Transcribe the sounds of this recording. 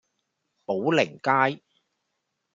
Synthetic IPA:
po˨˥wlɪ˨˩ŋkaː˥j

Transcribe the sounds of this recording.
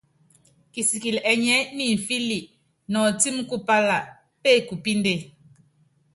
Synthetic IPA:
ki˨si˨ki˨lɛ˨ɲɛ˦ni˨ɱ̩˨fi˦li˨ʔ | nɔ˨ti˦m˦ku˦pa˦la˨ | pe˦˨ku˨pi˦nde˦˨

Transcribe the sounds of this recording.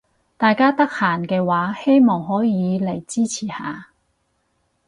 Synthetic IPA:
t̪aː˨jkaː˥t̪ɐ˥k̚haː˨˩nkɛː˧waː˨˥he˥jmɔː˨˩ŋɦɔː˨˥jiː˨˧le˨˩jt͡siː˥t͡sʰiː˨˩ha̰ː˨˧

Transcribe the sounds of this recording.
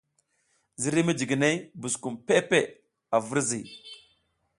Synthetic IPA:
zi˦ɾi˦mi˦d͡ʒi˨ɡi˨ne˦bu˨sku˨mpe˦pe˦˨ | a˨vu˦ɾzi˨

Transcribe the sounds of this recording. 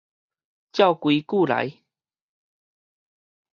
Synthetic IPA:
t͡ɕja˥˧˨ʊkwi˨˧˦ku˥˧˨la̰˨˦j

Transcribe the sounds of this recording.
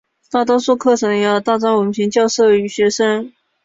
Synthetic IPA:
t̪a˥˩t̪ɔ˥su˥˧kʰɤ˥˩ʈ͡ʂʰɤ˧˥ŋjjɑ˥˧t̪a˥˩ʈ͡ʂɑ˥nwə˨˩m˥˩t͡ɕʰi˧˥ŋt͡ɕjɑ˥˧ʊʂɤ˥˩y˧˨˥ɕɥɛ˧˥ʂə˥ŋ

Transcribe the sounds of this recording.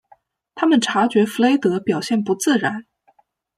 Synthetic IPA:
t̪ʰa˥mə˨nʈ͡ʂʰa˧˥t͡ɕɥɛ˧˥fu˧˥le˥ɪt̪ɤ˧˥pjɑ˨˩ʊɕjɛ˥˩npu˧˥t͡sɹ̩˥˩ɻa˧˥n

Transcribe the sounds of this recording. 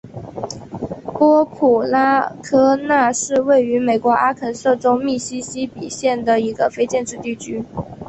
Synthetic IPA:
kwɔ˥pʰu˨˩la˥kʰɤ˥na˥˧ʂɻ̩˥˧we˥˩ɪy˧˥me˨˩ɪkwɔ˧˥ʔa˥kʰə˨˩nsɤ˥˩ʈ͡ʂo˥ʊmi˥˩ɕi˥ɕi˥pi˨˩ɕjɛ˥˩nd̪ə˩i˧˥ɡə˧fe˥ɪt͡ɕjɛ˥˧nʈ͡ʂɻ̩˥˧t̪i˥˩t͡ɕʰy˥

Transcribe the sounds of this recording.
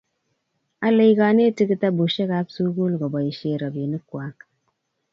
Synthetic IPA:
a˦le˨jɡa˨ne˦˨ti˦ki˦ta˦bo˨ʃe˦ka˦psu˦ɡu˦lɡo˨ba˨i˨ʃe˨ɾa˨bje˨ni˦kwa˦k

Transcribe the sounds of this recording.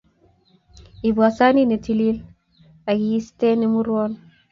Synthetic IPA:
i˨bwa˨sa˦ni˦ne˨ti˨li˦l | a˨ɡi˨i˦ste˦ne˨mu˦ɾwɔ˦n

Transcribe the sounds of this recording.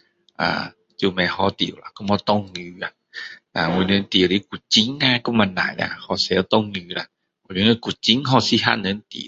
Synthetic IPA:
ʔa̰ː˨˩ | t͡ɕi˧mɛ˧˩hɔ˧˩t̪ḭ˨ə˨wla˧˨ku˧˥˨mhɔ˧t̪ɔ˧˨ŋːɨ˧a˧ | ʔaː˨ŋwu˧nə˧˦nt̪i˨li˧˦ku˨˩t͡ɕi˧˦ŋa˧˨ku˧˦ŋma˧na̰˨˩jla̰˧˩hɔ˧˩sɛ˧˦wt̪ɔ˧˨ŋːɨː˧la˧˨ | ɔ˧˨˩ji˧˦ŋə˧˦ku˨˩t̚t͡ɕi˧˦ŋɦɔ˧˩si˧ha̰˧nə˧˦nt̪ḭ˨

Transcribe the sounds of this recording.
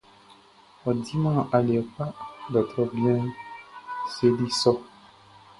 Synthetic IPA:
ɔ˨di˦mã˦˨ʔa˨lɛ˨ka˦dɔ˨t̪ɾɔ˦bjɛ̃˦ | se˦li˦sɔ˦

